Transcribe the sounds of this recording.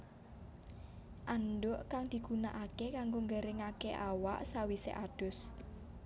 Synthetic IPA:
ʔanɖʊʔkaŋd̪̥i̤ɡ̥unaʔakekaŋɡoŋɡəɾɪŋakeʔawa̰ʔsawisḛʔad̥ʊ̤s

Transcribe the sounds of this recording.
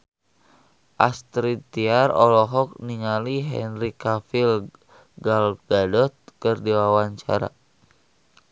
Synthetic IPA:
ʔast̪ɾit̪iarɔ̰lɔɦɔk̚niŋaliɦɛ̰nrikafil | ɡalfɡadɔt̪̚kɨrdiwawaɲt͡ʃa̰ɾa̰

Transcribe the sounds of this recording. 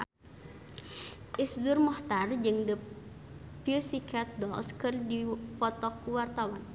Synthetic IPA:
ʔisdurmɔht̪ard͡ʒɨŋdə | pilsikat̪̚dɔlskɨrdipɔt̪ɔkuwart̪awan

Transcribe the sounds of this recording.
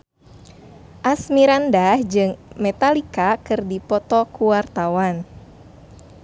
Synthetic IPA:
ʔasmiɾandahd͡ʒɨŋmɛt̪alikakɨrdipɔt̪ɔkuwart̪awan

